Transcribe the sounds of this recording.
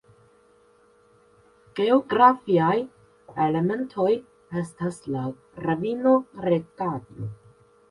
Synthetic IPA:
ɡ̥e̞o̞ɡɾafiaj | ele̞me̞ntʰo̞j | e̞stasla | ɾavino̞ɾe̞kado̰

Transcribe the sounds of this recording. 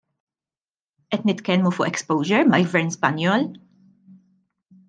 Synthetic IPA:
ʔɛt̪nɪt̪kɛlmufʊːʔɛkspɔwʒɛɾmɐlɡvɛɾnspɐnjɔːl

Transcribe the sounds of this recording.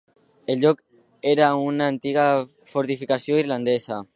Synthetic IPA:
elʎok | eɾaunaːnt̪iɣ̞a | foɾt̪ifikasjoiɾland̪esa

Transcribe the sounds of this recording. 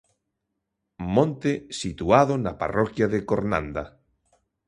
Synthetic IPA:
mõnt̪esit̪uaðonapa̰rɔkjaðekoɾnã̰nd̪a

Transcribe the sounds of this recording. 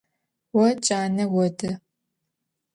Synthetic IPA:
wɔt͡ʃʼaːnɐwɔdɐ

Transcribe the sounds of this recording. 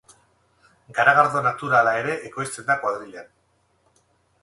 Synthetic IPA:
ɡaɾaɣaɾðo̞nat̪uɾalae̞ɾe̞ʔːko̞jst͡se̞nd̪akwaðɾiʎan

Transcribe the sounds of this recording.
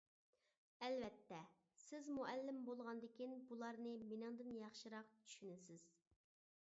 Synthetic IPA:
ɛlvɛt̪ʰːɛ | sɪzmuʔɛlːɪmbolˠʁɑnd̪ɪkʲinbulˠɑɾnɨmenɪŋd̪ɪnjɑχʃɨɾɑqt͡ʃʰy̥ʃynɪsɪz̥

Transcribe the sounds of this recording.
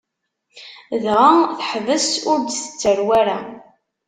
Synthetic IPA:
ðʁaθħvəsʊɾd̪θə̥t͡sːəɾwaɾa

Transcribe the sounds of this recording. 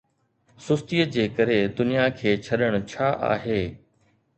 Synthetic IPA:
sʊst̪ijəd͡ʑeːkɐɾed̪ʊnijakʰeːt͡ɕʰɐɗəɽ̃ʊt͡ɕʰaːʔa̰ːɦeː

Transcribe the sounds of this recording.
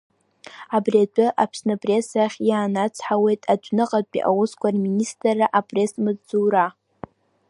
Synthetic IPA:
abriat͡pʷʼʊʔapʰsnɨpʼrʲe̞saχʲjaːnat͡sʰħawe̞jtʼad͡ʒʷʼnɨqʼaḭʔa̰wʊskʷʰarministʼrːaʔapʼre̞smɨzd͡zuːɾa

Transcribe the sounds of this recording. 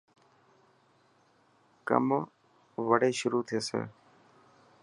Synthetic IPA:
kə̰m | ʋəɽeːʃʊɾuːt̪ʰeːsḛː

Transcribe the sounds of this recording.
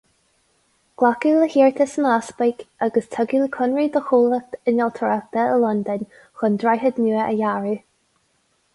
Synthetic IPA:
ɡ̥lakuləhiːɹt̪ʰəsənaspɪkʔaɡəstʰəɡiləkʰʊnɹid̪əxuːlətənɔlˠt̪ʰəɹak̚t̪əəlɔnd̪ənʲ | xʊndɹajɦəd̪nuːəʔə̰jaɹi

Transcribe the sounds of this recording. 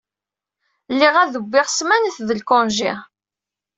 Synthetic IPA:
lːiʁæðəbːɪʁsmænəθðəlkɔnʒḭʁ

